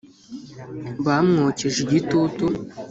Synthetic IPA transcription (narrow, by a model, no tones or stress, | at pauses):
bamŋoːceʒiɟitoto